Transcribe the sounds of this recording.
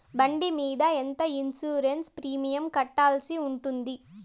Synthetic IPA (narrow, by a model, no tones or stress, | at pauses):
bɐɳɖimiːd̪ɐent̪ɐinsuːɾenspɾiːmijɐmkɐʈːaːlsiuɳʈund̪i